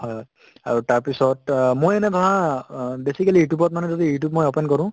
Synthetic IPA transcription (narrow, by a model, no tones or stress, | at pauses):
hɔjɔj | a̰ɹutaɹpisɔtmojɛnɛdʱɔɦãbesikalijutjubɔt̚manɛzodijutjub̚mojɔpɛnkɔɹʊ̃